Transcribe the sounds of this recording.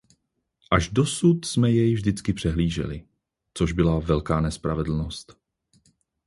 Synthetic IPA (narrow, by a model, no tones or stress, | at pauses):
ʔaʒdo̞sut̪smɛjɛjvʒdɪt͡skɪpr̝̥ɛɦliːʒɛ̰lɪ | t͡so̞ʒbɪlavɛlkaːnɛspɾavɛd̪l̩no̞st̪